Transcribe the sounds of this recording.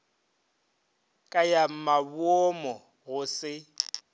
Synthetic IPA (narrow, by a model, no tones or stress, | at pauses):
kʼajam̩maβwɔmɔ | ɣʊsɪ